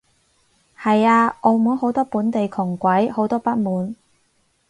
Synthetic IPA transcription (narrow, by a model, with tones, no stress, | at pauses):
hɐ˨jaː˧ʔɔ˨˧mu˨˥ho˨˥wt̪ɔː˥puː˨˥nt̪e˨jkʰʊ˨˩ŋkʷɐ˨˥jho˨˥wt̪ɔː˥pɐ˥t̚muː˨˥n